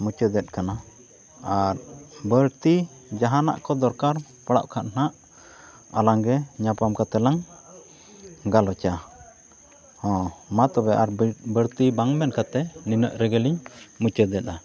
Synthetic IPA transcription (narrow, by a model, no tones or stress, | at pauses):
mut͡ʃəd̪ɛt̪̚kana | aɾbəɾt̪i | d͡ʒaɦana̰ʔkɔd̪ɔɾkaɾ | paɽa̰ʔkʰaʔ̪̚n̥aʔ | alaŋɡɛɲapamkat̪ɛlaŋ | ɡalɔt͡ʃa | hɔ̃mat̪ɔbɛʔaɾbəɾt̪ibaŋmɛnkat̪ɛninəʔɾɛɡɛliɲmut͡ʃəd̪ɛt̪a